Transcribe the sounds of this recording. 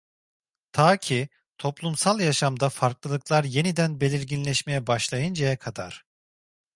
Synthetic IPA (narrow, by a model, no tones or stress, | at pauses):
t̪ʰaːcʰi | t̪ʰo̞plˠumsalˠjaʃamd̪afaɾklˠɯlˠɯklˠaɾje̞nid̪ænbe̞lʲiɾɟinlʲɛʃme̞jɛbaʃlˠajɯnd͡ʒajakʰad̪a̰ɾ̥